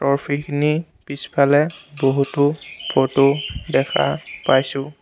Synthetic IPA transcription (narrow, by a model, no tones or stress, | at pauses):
tɔɹpʰikʰini | pispʰalɛboɦutʊbɔtʊdɛkʰa̰pajsʊ̃